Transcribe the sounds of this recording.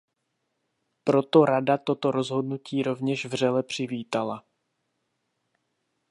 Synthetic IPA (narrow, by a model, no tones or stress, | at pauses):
pɾo̞t̪o̞ɾadat̪o̞t̪o̞ɾo̞zɦo̞dnuciːɾo̞vɲɛʃvr̝ɛlɛpr̝̥ɪviːt̪ala